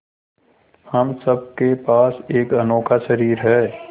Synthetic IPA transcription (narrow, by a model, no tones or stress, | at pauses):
hɐmsɐb̚kepaːseːkɐnoːkʰaʃəɾiːɾɦɛː